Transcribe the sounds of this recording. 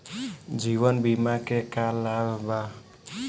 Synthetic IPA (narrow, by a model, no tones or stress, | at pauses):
d͡ʒiβənbimakekalːabba